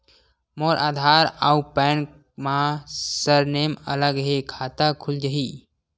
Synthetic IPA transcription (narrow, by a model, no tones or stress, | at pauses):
moːɾʔa̰ːd̪ʱaːɾaupɛːn | mãsəɾneːmə̰ləɡɦekʰaːt̪akʰʊld͡ʒəɦiː